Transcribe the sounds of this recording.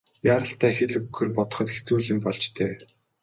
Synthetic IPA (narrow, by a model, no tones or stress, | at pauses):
jaːɾə̆ɬt̪æːxeɮɘ̆ɡɵ̆rpɔt̪̆χɞ̆t̪xe̥xʰt͡suːɮĭmpɔɮt͡ɕt̪ʰeː